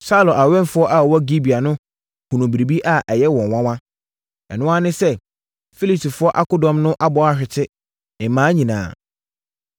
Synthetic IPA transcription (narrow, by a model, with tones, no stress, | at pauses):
sa˦ʊ˨lo˨a˨ɥɛ̃˦n˨fʊ˦ɔ˦ʔa˦˨wɔ˦ɡi˦bi˨a˨nʊ̃˦ | hũ˨nũ˨bi˨ɾi˨bi˦ʔa˦ʔɛ˨jɛ˦wɔ̃˨wã˦wã˦ | ɛ̰˨nʊ̃˦a˦nɪ̃˦sɛ˦ | fi˦li˨si˨fʊ˦ɔ˦ʔa˦kʊ˦dɔ̃˨mnʊ̃˦ʔa˦bɔ˨a˨ɕᶣɪ˨tʰɪ˦ | ɪ˨mãː˨˦ɲĩ˨nã̰ː˨